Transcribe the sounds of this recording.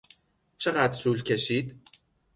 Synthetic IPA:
t͡ʃʰe̞ɢæd̪ɾsuːlcʲʰe̞ʃiːd̪

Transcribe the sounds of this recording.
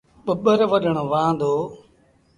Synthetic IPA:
ɓəɓəɾʋəɗəɳ̃oːʋãːd̪oː

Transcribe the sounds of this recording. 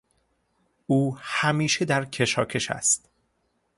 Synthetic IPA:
uːhæmiːʃed̪æɾcʰe̞ʃɒ̰ːcʰe̞ʃæ̰st̪

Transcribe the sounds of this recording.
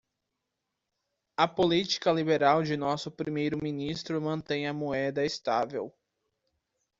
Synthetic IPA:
ɐpolit͡ʃi̥kɐlibeɾawd͡ʒɪnɔsʊpɾimejɾʊmĩnist̪ɾʊmɐ̃nt̪ẽj̃ɐmoɛd̪ɐest̪avḛw

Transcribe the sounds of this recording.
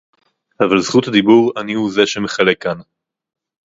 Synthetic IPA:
avalzχut̪had̪ibuʁanihuze̞ʃemeχale̞kːan

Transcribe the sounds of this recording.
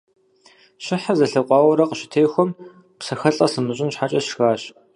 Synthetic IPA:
ɕɪħazɐɬɐqʷʼɑːwɐɾɐqəɕɪ̥tʰejxʷɔm | psɐxɐɬʼɐsɨmɨɕʼɪnɕħat͡ʃʼɐɕxaːɕ

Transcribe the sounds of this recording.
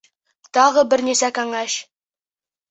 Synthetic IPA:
t̪ɑʁəbɘɾnesækæŋæʃ

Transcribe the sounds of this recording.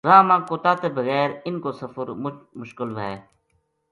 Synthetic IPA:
ɾaːmãːkoːt̪aːt̪eːbəɣɛːɾɪnkoːsəfəɾmʊʃkɪlʋəeː

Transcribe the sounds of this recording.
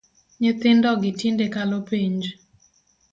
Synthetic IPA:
ɲɪt̪ɪndɔɡɪtindekalopiɲd͡ʒ

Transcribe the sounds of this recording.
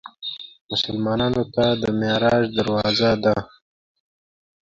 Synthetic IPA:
mʊsalmɑnɑnot̪ad̪əmeɾɑʒd̪aɾwɑzad̪a

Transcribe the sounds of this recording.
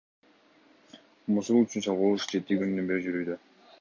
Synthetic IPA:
musuɾˠyt͡ʃynsɑlˠʁulˠuʃd͡ʒe̞t̪ikynynybeɾd͡ʒyɾyːd̪ø

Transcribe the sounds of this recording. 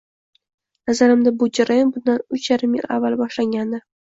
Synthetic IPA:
nazaɾɪmd̪abʊd͡ʒaɾajonbʊnd̪anʊt͡ʃʰjaɾɪmjɪ̰lavːalˠbɒʃlaŋɡʲand̪ɪ

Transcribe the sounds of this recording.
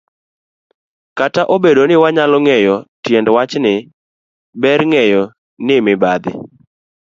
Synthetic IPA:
kataʔobedonɪwaɲalɔŋejɔtjɛndwat͡ʃnɪ | bɛɾŋejɔ | nɪmɪbad̪ɪ̰

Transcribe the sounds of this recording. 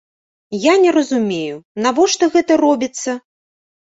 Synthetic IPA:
janʲɛɾɐzumʲejunavɔʂt̪ɔɣɛt̪ɐɾɔbʲit̪sːɐ

